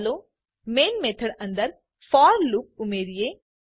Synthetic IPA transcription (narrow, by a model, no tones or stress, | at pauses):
lo | meːnmeːt̪ʰəɽɐ̃nd̪əɾ | fʰɔːɾlʊk̚ʊmeːɾije